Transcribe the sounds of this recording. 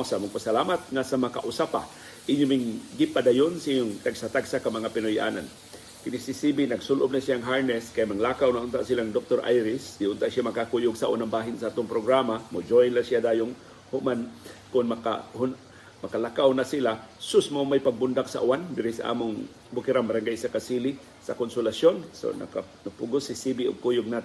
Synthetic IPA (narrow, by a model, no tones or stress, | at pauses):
saʔaːmʊŋpasalaːmat̪̚ŋasamaka̰ʔʊsapa̰ | ʔɪɲːʊmɪŋɡɪpad̪ajʊnsaʔiɲːoŋt̪aɡsat̪aɡsakamɐŋapɪnojʔa̰ːnan | kɪnɪsɪsibinɐɡsʊlʔʊb̚nasijaŋɦaɹnɛskajamaŋlaːkawnaʔʊnt̪aʔsilaŋd̪ok̚t̪oɾʔa̰jɾɪsd̪ɪhʊnt̪aʔsjamɐkakujʊɡsaʔṵːnaŋbaːɦɪnsaʔaːt̪ʊŋpɾoɡɾamamod͡ʒojnlasijad̪aːjʊŋ | hʊʔmankʊnmɐka̰hʊn | mɐkalakawnasilasʊsmomajpɐɡ̚bʊnd̪aksɐ̰ʔuwand̪ɪɾɪsɐ̰ʔa̰ːmʊŋ | bʊkɪɾaŋmɐɾaŋɡajsakasiːli | sɐkonsʊlasjonso̰nɐ̰kanapʊɡʊsɪsibiʊ̰ɡ̚kuːjʊɡ̚nat̪